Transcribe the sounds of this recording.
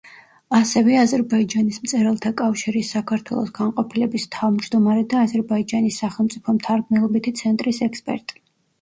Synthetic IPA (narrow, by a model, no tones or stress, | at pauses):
asɛvɛazɛɾbaid͡ʒanismt̪sʼɛɾalˠt̪ʰakʼafʃiɾisːakʰaɾt̪ʰwɛ̰lˠɔ̰sɡanqʼɔpʰilɛbist̪ʰavmd͡ʒd̪ɔmaɾɛd̪aːzɛɾbaid͡ʒanisːaχɛlˠmt̪sʼipʰɔmt̪ʰaɾɡmɛlˠɔbit̪ʰit̪sʰɛnt̪ʼɾisɛkspʼɛ̰ɾt̪ʼi̥